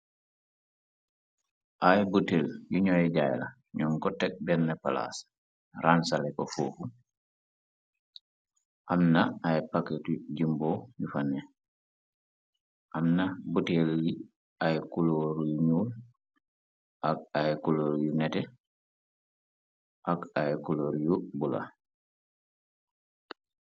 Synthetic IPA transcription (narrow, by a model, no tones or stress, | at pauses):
ʔajbuteljuɲɔjɛɟajla̰ | ɲɔŋkɔtɛk̚bɛnːɐpala̰s | ransalɛkɔfuːfu | ʔamnaajpakːetuɟimboɲufanɛ | ʔamnabutɛlji | ajkuloːɾjuɲuːl | ʔak̚ajkuloːɾjunɛtɛ | ʔakajkuloːɾjubula̰